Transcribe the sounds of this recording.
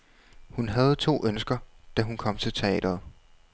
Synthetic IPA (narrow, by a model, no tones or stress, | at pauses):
hunɦæð̞̩ˠt͡sʰo̝̰ːʔønsɡ̥ɐd̥æɦunkʰɒ̽m̰t͡sʰe̝lt͡sʰe̝ɛ̰ːd̥ɐð̩ˠ